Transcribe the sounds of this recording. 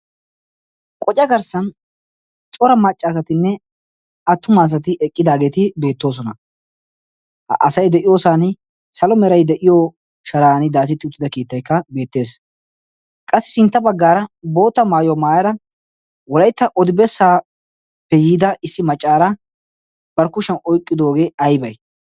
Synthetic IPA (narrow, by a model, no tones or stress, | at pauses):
kʼɔt͡ʃʼːɐɡɐɾsɐn | t͡sʼɔɾɐmɐt͡ʃʼːaːs̬ɐt̪ɪnːɛ | ɐt̪ːʊmaːs̬ɐt̪ɪʔɛkʼːɪd̪aːɡe̞ːt̪ɪbe̞ːt̪ːo̞ːs̬ɔnɐ | ʔɐ̰sɐjd̪ɛʔɪjo̞ːsaːnɪ | sɐlɔmɛɾɐjd̪ɛʔɪjo | ʃɐɾaːnɪd̪aːs̬ɪt̪ːɪʊt̪ːɪd̪ɐkiːt̪ːɐjkːɐbe̞ːt̪ːe̞ːs | kʼɐsːɪ̥sɪnt̪ːɐbɐɡːaːɾɐbo̞ːt̪ːɐmaːjomaːjɐɾɐ | wɔlɐjt̪ːɐʔɔd̪ɪbɛsːaː | pɛjiːd̪ɐɪsːɪmɐt͡ʃʼːaːɾɐ | b̥ɐɾkʊʃɐnɔjkʼːɪd̪o̞ːɡe̞ːɐjbɐj